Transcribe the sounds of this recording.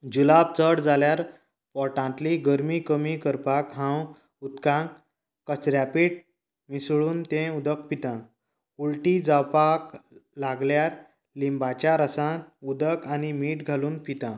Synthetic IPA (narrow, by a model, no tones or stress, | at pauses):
d͡ʑulab̚t͡səɽd͡zaljaɾ | pɔʈãt̪liɡəɾmikəmikəɾpakɦãw | ut̪kã | kːət͡sɾjapiːʈ̚ | misɭuːnt̪ẽud̪əkpit̪ã | ulʈid͡zawpaklaɡljaɾ | limbat͡ɕaɾəsãud̪əkʰañimiːʈɡʱaluːnpit̪ã